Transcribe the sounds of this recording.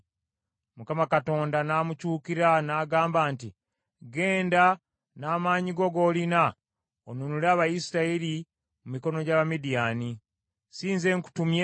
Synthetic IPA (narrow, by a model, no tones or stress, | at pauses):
mukamakato̞ːndanaːmucuːkiɾanaːɡaːmbaːnti | ɡe̞ːnda | naːmaːɲiɡo̞ɡo̞ːlina | onunulaːβajisiɾaili | mumiko̞no̞ɟaːβamidijani | siːnze̞ŋku̥tumje